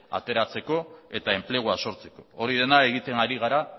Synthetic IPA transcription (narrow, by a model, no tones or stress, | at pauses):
a̰t̪e̞ɾat͡se̞ko̞e̞t̪ae̞mple̞ɣ̞uaso̞ɾt͡se̞̥ko̞oɾiðe̞nae̞ɣ̞it̪e̞ŋaɾiɣ̞aɾa